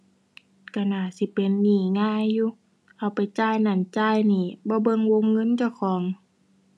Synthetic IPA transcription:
ka˧˩naː˧˩˨si˧˦pe˨nːiː˨˩ŋaː˧˥˨jːuː˧˦ | ʔa˧˩wpa˨˩jt͡ɕaː˧˩˨jna˧˩nt͡ɕaː˧˥˨jniː˧˩bɔː˧˦bɤ˧˨ŋwo˧˥ŋːɤ˧˥˨nt͡ɕa˧˩wkʰɔː˨˦ŋ

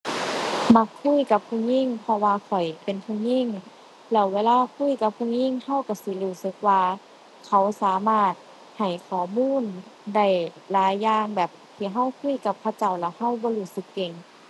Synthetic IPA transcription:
ma˧˥kʰːu˧˥˨jka˧˦p̚kʰu˧˩˨ŋɲi˧˥˨ŋpʰɔ˧waː˧kʰɔ˨˩jpe˨npʰu˧˩˨ŋɲi˧˥˨ŋ | lɛː˧˩wweː˧laː˧˨kʰu˧˥˨jka˧˦p̚kʰu˧˨ŋɲi˧˥˨ŋha˧˨wka˧˩si˧˦luː˧˩sɯ˧˦k̚waː˧ | kʰa˧˩wsaː˨˦maː˧˥˩t̪̚ | ha˨˩jkʰɔː˨˩muː˧˥˨nda˧˩jlaː˨˦jːaː˧ŋbɛː˨˩p̚t̪ʰiː˧˩ɦa˧˥˩wkʰu˧˥˨jka˧˦p̚kʰa˧t͡ɕa˧˩wlɛ˧˩wha˧˥˨wbɔː˧˦luː˧˩sɯ˧˦kːe˧˩ŋ

